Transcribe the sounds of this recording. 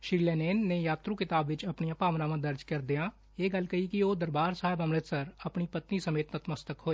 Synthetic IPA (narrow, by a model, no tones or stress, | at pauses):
ʃɾiːlɛːnɛːnːẽjaːt̪ɾũkɪt̪aːbʋɪt͡ʃɐpnijãpaːʋnaːmãd̪ɐɾd͡ʒkɐɾd̪ijãː | eːɡɐlkɐikioːd̪əɾbaːɾsaːɦɪbəmɾɪt̪səɾɐpnipət̪nisɐmeːt̪nət̪məst̪əkɦoːeː